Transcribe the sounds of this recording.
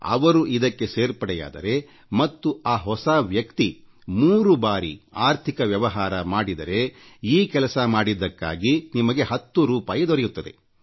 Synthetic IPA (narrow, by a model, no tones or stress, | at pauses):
ɐ̰ʋɐɾuʔid̪ɐkːe̞seːɾpɐɽɛja̰ːd̪ɐ̰ɾe̞ | mɐt̪ːuaːɦɔsaʋjɐkt̪i | muːɾubaːɾḭaːɾt̪ʰikɐʋjɐʋɐɦaːɾɐmaːɽid̪ɐɾe̞iːkɛlɐsɐmaːɽid̪ːɐkːa̰ːɡinimɐɡe̞ɦɐt̪ːuɾuːpaːjɐd̪ɔɾɛjut̪ːɐd̪e̞̰